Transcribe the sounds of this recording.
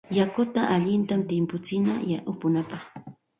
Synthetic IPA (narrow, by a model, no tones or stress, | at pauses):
jakʊt̪aʔaʎɪnt̪amt̪ɪmpʊt͡sɪna̰jaʔʊpʊnapɑχ